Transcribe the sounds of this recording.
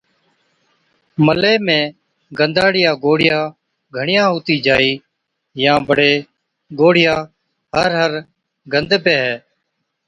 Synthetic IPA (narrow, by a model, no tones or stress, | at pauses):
məleːmẽː | ɡənd̪aːɽɪjaːɡoːɽɪjãː | ɡʱəɳɪjãːɦoːt̪iːd͡ʒaːiː | jãːbəɽeː | ɡoːɽɪjãː | ɦəɾɦəɾ | ɡənd̪peːɦɛː